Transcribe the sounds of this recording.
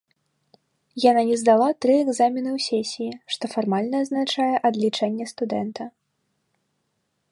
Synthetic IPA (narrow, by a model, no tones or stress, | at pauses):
jananʲɛzd̪alˠat̪ɾɨɛɡzamʲinɨwsʲɛsʲijiʂt̪ɔfarmalʲnɐːznat͡ʂajɛʔɐd̪lʲit͡ʂɛnʲːɛst̪ud̪ɛnt̪ɐ